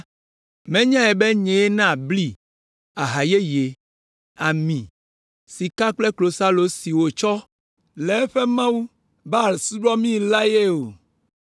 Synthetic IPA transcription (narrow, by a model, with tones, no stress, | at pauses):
mẽ˦ɲã˦ɛ˨be˦ɲẽ˨e˦nã˦˨bli˦ | a˨ɦa˨je˦je˨ | a˨mĩ˨ | si˨ka˦k͡ple˦klo˨sa˦lo˨si˨wo˨t͡ʃɔ˦ | le˨˦ɸe˦mã˦wu˦ | ba˦˨lsu˦ɖɔ˦mĩ˦la˦je˦o˨